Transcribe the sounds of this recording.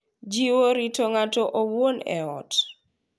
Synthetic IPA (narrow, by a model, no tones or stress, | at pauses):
d͡ʒiwoɾitoŋatoʔowwonɛ̰ɔt